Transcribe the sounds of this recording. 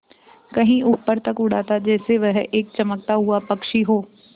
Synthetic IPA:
kɐɦĩʔʊpːəɾt̪ɐkʊɽ̤aːt̪ad͡ʒɛːseʋɛɦeːk̚t͡ʃɐmək̚t̪aɦuapɐkʃiɦoː

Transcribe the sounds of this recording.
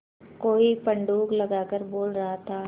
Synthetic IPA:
koːipɐ̃ɳɖuːklɐɡaːkəɾboːlɾɐɦat̪ʰaː

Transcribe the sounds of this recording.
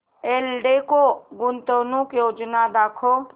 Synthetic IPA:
eːlɖekoɡʊnt̪oːnukjoːd͡ʒnad̪aːkʰo

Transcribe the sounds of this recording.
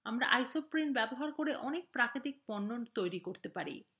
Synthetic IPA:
amɾaʔajsopɾinbɛboɦaɾkoɾeʔɔnek̚pɾakɾit̪ik̚pɔnːont̪ojɾikoɾt̪epaɾḭ

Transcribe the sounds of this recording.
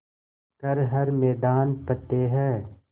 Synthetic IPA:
kɐɾɦɐɾmɛːd̪aːnpɐt̪ːeɦɛː

